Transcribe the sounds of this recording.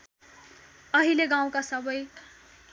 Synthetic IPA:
ʌɦileɡãw̃kasʌbʌj

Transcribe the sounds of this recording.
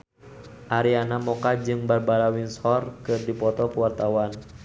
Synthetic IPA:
ʔaɾianamɔkad͡ʒɨŋbarbaɾawinshɔrkɨrdipɔt̪ɔpəwart̪awan

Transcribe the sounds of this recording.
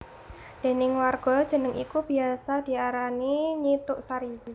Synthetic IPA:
d̥e̤nɪŋwarɡ̥ɔ̤d̥ʒ̥ə̤nəŋʔikub̥iasad̥i̤aɾaniɲit̪ʊʔsaɾid͡ʒi

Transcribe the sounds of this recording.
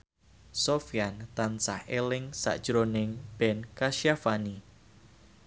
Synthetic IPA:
sofiant̪ansahelɪŋsa̰ʔd̥ʒ̥ɾonɪŋb̥ɛnkaʃjafani

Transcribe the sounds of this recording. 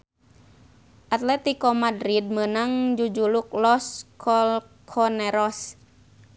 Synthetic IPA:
ʔat̪lɛt̪ikɔmadɾid̪̚mənaŋd͡ʒud͡ʒuluk̚lɔskʰɔl | kʰɔnɛɾɔs

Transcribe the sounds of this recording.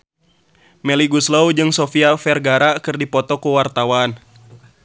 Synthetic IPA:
mɛliɡuslowd͡ʒɨŋsɔfiafɛrɡaɾakɨrdipɔt̪ɔkuwart̪awan

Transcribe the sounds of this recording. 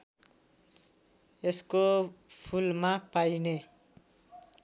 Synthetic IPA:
eskopʰulmapajne

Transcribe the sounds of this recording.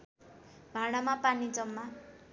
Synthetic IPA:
bʱaɽ̃amapanid͡zʌmːa

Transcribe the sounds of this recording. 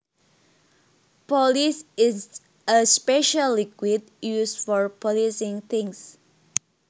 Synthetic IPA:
pɔlisɪs | əspɛʃəlːikwid̚ | jusfɔɹpʰɔlisɪ̃ŋt̪ĩŋs

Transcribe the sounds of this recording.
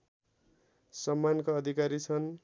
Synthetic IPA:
sʌmːankaʌd̪ʱikaɾit͡sʰʌn

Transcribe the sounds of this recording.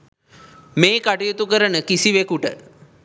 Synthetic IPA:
meːkaʈijut̪ukəɾənəkisiʋekuʈə̰

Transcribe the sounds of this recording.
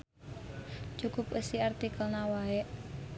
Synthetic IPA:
t͡ʃukʊpəsiart̪ikəlnawaɛʔ

